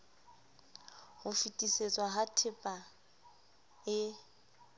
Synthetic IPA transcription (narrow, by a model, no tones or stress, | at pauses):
hʊfitʼiset͡sʼwaɦatʰɪpʼa | ɪ